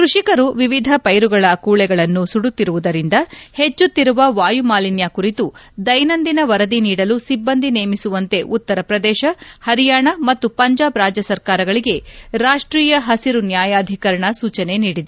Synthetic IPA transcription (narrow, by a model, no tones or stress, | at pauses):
kɾuʂikɐɾuʋiʋid̪ʱɐpɐjɾuɡɐɭɐkuːɭɛɡɐɭɐnːusuɽut̪ːiɾuʋud̪ɐɾind̪ɐhe̞t͡ʃːut̪ːiɾuʋɐʋaːjumaːlinjakuɾit̪ud̪ɐjnɐnd̪inɐʋɐɾɐd̪iniːɽɐlusibːɐnd̪ʱineːmisuʋɐnt̪e̞ʔut̪ːɐɾɐpɾɐd̪ɛːʃɐhɐɾijaːɳɐmɐt̪ːupɐɲd͡ʒaːbɾaːd͡ʒjɐsɐɾkaːɾɐɡɐɭiɡe̞ɾaːʂʈɾiːjɐɦɐsiɾunjaːjaːd̪ʱikɐɾɐɳɐsuːt͡ʃɐne̞niːɽid̪e